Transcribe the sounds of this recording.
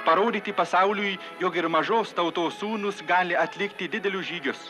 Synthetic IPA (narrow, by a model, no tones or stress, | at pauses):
pɐɾoːd̪ʲiːt̪ʲɪpɐsɑʊlʲʊj | joːkɪɾmɐʒoːst̪ɐʊt̪oːsuːnʊsɡɑːlʲɪɐt̪ʲlʲɪkt̪ʲɪd̪ʲɪd̪ʲɛlʲʊsʒʲiːɡʲʊs